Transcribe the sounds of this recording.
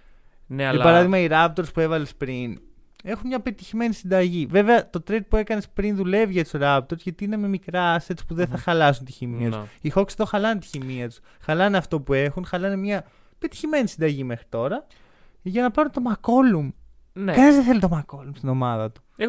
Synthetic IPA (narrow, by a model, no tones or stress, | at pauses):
nipɐɾɐðiɣmɐiɾɐpt̪oɾspue̞vɐle̞spɾin | e̞xunmɲɐpe̞t̪içime̞nisind̪ɐʝive̞ve̞ɐt̪o̞t̪ɾed̪̚pue̞kɐne̞spɾinðule̞vʝet̪soɾɐpt̪o̞ɾzʝɐt̪iine̞me̞mikɾɐset̪t͡so̥spuðeθɐxɐlɐsunt̪içimiɐt̪usixokseðo̞xɐlɐnet̪i̥çimiɐt̪u̥sxɐlɐneɐft̪o̞pue̞xunxɐlɐnemɲɐ | pe̞t̪i̥çime̞nisind̪ɐʝime̞xɾi̥t̪o̞ɾɐ | ʝɐnɐpɐɾunt̪o̞mɐko̞lum | nkɐnizðeθe̞lit̪o̞mɐko̞lumst̪ino̞mɐðɐt̪u̥